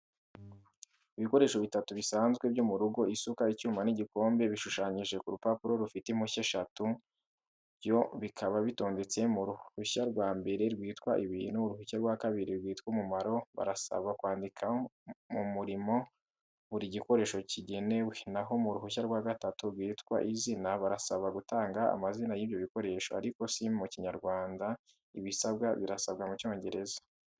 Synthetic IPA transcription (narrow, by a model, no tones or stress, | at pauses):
iβiko̞ɾe̞ːʃo̞βitatuβisaːnzɡwe̞bjomuɾuɡo̞isukaicuːmaniɟiko̞ːmbe̞βiʃuʃaːɲiʒe̞kuɾupapuɾo̞ɾufitem̥huçeʃatu | βjo̞βikʰaβaβito̞ːnde̞t͡se̞muɾuhuçaɾɡwaːmbe̞ɾeɾɡwiːtkwaʔiβinuɾuhuçaɾɡwakaβiɾiɾɡwiːtkwumumaɾo̞βa̰ɾasa̰βakwaːndikʰamumuɾimo̞ | βuɾiɟiko̞ɾe̞ːʃo̞ciɟe̞ne̞we̞naɦo̞muɾuɦuçaɾɡwaɡatatuɾɡwiːtkwa̰ʔizinaβaɾasaβaɡutaːŋɡaa̰mazinajiːβjo̞βiko̞ɾe̞ːʃoa̰ɾiko̞simuciɲaɾɡwaːnda | iβisabɡaβiɾasabɡamuco̞ːɲɟe̞ɾe̞zḁ